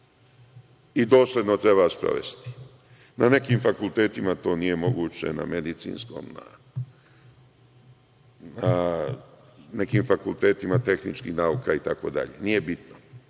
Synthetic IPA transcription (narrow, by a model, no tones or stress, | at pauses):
id̪o̞ːslʲed̪not̪ɾe̞baspɾo̰ʋe̞̰st̪i̥ | nane̞kiːmfakult̪e̞ːt̪imat̪o̞ːnije̞mo̞ɡuːt͡ɕe̞̰na̰me̞d̪it̪sḭːnsko̰mna̰ | na | ne̞kimfakulˠt̪e̞ːt̪imat̪e̞xnit͡ʃkḭxnauːkait̪ako̞d̪a̰ʎḛnije̞bit̪no